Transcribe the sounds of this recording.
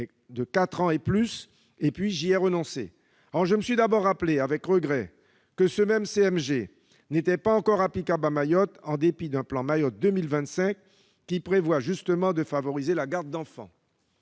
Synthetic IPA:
d̪əkat̪χɑ̃eplys | epɥiʒiɛʁənɔ̃sḛ | ɔʁʒəməsɥid̪abɔʁːapleavɛkʁəɡʁɛ | kəsəmɛmseɛmʒe | net̪ɛpaɑ̃kɔʁaplikablamajɔt̪ɑ̃d̪epid̪ɛ̃plɑ̃majɔt̪̚d̪əmilvɛ̃t̪sɛ̃kː | ipχevwaʒyst̪əmɑ̃d̪əfavɔʁizelaɡaʁd̪̚d̪ɑ̃fɑ̰̃

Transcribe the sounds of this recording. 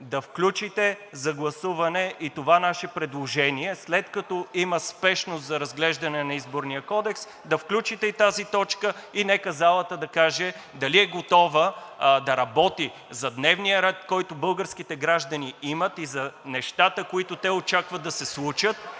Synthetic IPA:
d̪ɐfklʲut͡ʃit̪ɛzɐɡlˠɐsuvɐnɛʔit̪ovanaʃɛpɾɛd̪lˠoʒɛniɛslɛt̪kɐt̪ɔiməspɛʃnos̬t̪zɐɾɐzɡlɛʒd̪ɐnɛnɐizboɾnijəkɔd̪ɛks | d̪ɐfklʲut͡ʃit̪ɛit̪azit̪ɔt͡ʃkəinɛkəzalˠɐt̪əd̪ɐkaʒɛd̪ɐliɛɡot̪ɔvəd̪ɐɾɐbɔt̪i | zɐd̪nɛvnijəɾɛt̪kɔjt̪ʊbɤlˠɡəɾsk̟it̪ɛɡɾaʒd̪əniimət̪izɐnɛʃt̪at̪əkoit̪ʊt̪ɛot͡ʃakvəd̪ɐsɛslˠut͡ʃət̪̚

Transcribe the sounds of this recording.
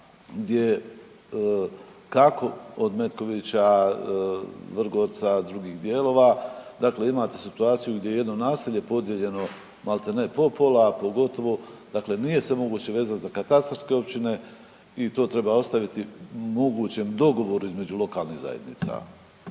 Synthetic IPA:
ɡd̪je̞ | kakʰo̞od̪me̞t̪ko̞ʋit͡ɕa | ʋr̩ɡo̞ːɾt̪sad̪ɾuɡiːɣd̪jeːlo̞ːʋad̪akle̞imaːt̪e̞sit̪uaːt̪sijuɡd̪ʲje̞jeje̞d̪no̞naːsiʎe̞po̞d̪je̞ʎe̞no̞ | malˠt̪enepo̞po̞lapo̞ɡo̞t̪o̞ʋo̞d̪̥akle̞nije̞sʋe̞mo̞ɡuːt͡ɕe̞ʋe̞ːzat̪zakat̪ast̪ɾske̞o̞pt͡ɕine̞ | it̪o̞ːt̪ɾe̞bao̞st̪aʋit̪imo̞ɡuːt͡ɕe̞md̪o̞ɡo̞ʋo̞ɾuizme̞d͡ʑulo̞kaːlˠniːɣza̰jed̪nḭt̪sa̰

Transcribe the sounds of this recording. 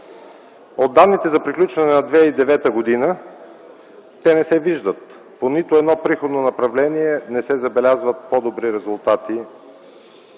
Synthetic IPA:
od̪ːanːit̪ɛzɐpɾiklʲut͡ʃvɐnɛnɐd̪vɛid̪ɛvɛt̪əɡod̪inə | t̪ɛnɛsɛviʒd̪ət̪ | ponit̪ʊɛd̪nɔpɾixod̪nonɐpɾɐvlɛniɛnɛsɛzɐbɛlʲazvət̪̚pod̪obɾiɾɛzulˠt̪at̪i

